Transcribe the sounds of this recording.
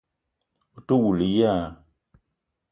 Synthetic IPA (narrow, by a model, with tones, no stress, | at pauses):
u˨to˦wu˨li˨ja˦˨